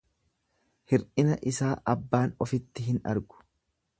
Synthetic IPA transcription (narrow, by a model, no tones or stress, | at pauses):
hɪɾʔɪnɐʔɪsaːʔɐbːaːnɔfɪt̪ːɪɦɪnɐ̰ɾɡʊ̥